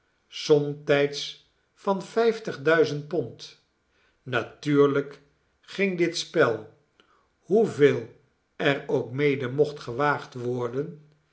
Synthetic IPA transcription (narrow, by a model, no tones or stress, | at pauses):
sɔmtɛjts | fɑnfɛjftəχdœɥzənt̚pɔnt | natyːɹlək | χɪŋdɪtspɛlˠ | huveːlˠ | ɛrowkmejdəmɔχtχəʋaːχtʋɔɹdən